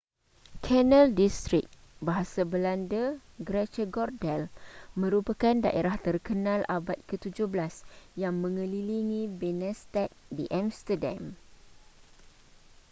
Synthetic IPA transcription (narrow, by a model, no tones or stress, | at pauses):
kʰɛnə̃ldist̪ɾik̚ | baɦasabəlandə | ɡɾɛt͡ʃəɡɔrdɛlmə̃ɾupakanda̰ʔeɾaht̪ərkənãlʔabat̪̚kət̪ud͡ʒʊhblasjaŋmə̃ŋə̃liliŋĩbenɛ̃st̪ɛt̪̚diʔamst̪ədã̰m